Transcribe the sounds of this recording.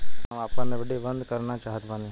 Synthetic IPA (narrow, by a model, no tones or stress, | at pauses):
ʋaːpə̃neʋɪɖʱibənd̪ʱkəɾnat͡ʃaːɦət̪ʋãːni